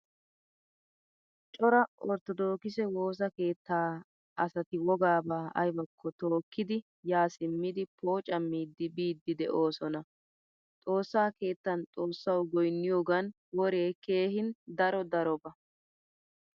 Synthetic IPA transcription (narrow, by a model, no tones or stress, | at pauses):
t͡ʃʼɔɾɐɔɾt̪ɔd̪o̞ːkɪsɛwo̞ːs̬ɐke̞ːt̪ːaː | ɐsɐt̪ɪwɔɡaːbaːʔɐ̰jbɐkʰːɔt̪o̞ːkːɪd̪ɪ | jaːsɪmːɪd̪ɪpo̞ːt͡ʃʼɐmːiːd̪ːɪbiːd̪ːɪd̪ɛʔo̞ːsɔnɐ | t̪ʼo̞ːsːaːke̞ːt̪ːɐnt̪ʼo̞ːsːɐwɡɔjnːɪjoːɡɐn | wɔɾe̞ːke̞ːɦɪnd̪ɐɾɔd̪ɐɾɔbɐ